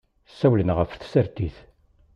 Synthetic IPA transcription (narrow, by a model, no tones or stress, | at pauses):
sːæwlənʁəfθsəɾt̪iθ